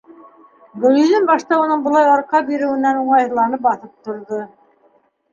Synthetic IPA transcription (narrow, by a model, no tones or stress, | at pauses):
bɘ̆jɵ̆ðɘnbɑʃt̪ɑunɤɴbŏlˠɑjɑɾqɑbiɾɘ̆wɘ̆nænuɴɑjɤ̆lˠɑnɤp̚bɑθɤp̚t̪ŏɾðo